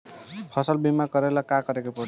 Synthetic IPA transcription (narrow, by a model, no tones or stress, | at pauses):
pʰʌsəlbimakʌɾelakakʌɾekopɔ